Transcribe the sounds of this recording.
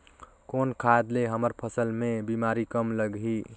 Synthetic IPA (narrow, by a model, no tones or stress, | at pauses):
konkʰaed̪leɦəməɾpʰəsəlmebimaɾikəmləɡɦi